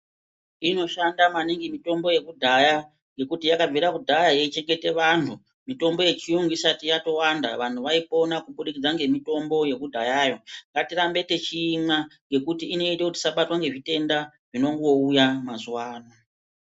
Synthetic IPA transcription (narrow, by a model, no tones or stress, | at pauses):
ino̞ʃandamaniŋɡimito̞mbo̞je̞kudʱaja | ŋɡe̞kutijakavʱiɾakudʱajajeit͡ʃe̞ŋɡe̞te̞ʋan̤u | mito̞mbo̞je̞t͡ʃiuŋɡuisatijato̞wanda̰ʋan̤uʋaipo̞nakuɓuɗikid͡zaŋɡe̞mito̞mbo̞je̞kudʱajaːjo̞ŋɡatiɾambe̞te̞t͡ʃiːmaŋɡe̞kutiːne̞itekuti̥saɓatwaŋɡe̞ʐite̞nda | ʐino̞ŋɡoujamazuwaːna